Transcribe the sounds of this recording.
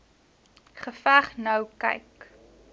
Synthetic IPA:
χəfæχnɐwkɛ̰jk

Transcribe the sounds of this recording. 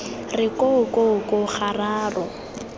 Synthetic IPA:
rɪkʼoʊkokʼʊχaraːrɔ

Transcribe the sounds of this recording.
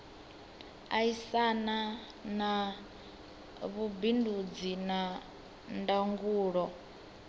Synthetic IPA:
aisana | na | βubindud͡zina | ndaŋɡuːɺɔ

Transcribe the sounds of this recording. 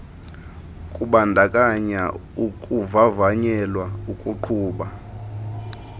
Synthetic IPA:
kʼuɓandʱakʼaɲa | ukʼuvavaɲɛlwaukʼuǃʰuːɓa

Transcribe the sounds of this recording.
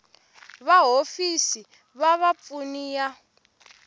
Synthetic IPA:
βaɦofisi | βaβap̪funija

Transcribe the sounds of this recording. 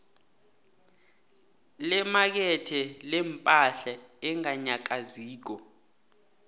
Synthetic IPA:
lɛmak̬ɛtʰɛlɛmpʼaɬaɛŋaɲak̬ʼaziːk̬ɔ

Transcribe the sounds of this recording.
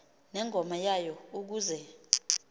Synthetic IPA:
nɛŋʱɔmajajɔuk̬uːzɛ

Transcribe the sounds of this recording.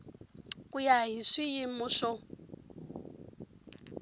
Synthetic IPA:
kʼujaɦiʂijimʊʂɔ

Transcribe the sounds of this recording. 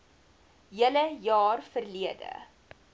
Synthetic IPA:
jələjɑːrfərliədə̰

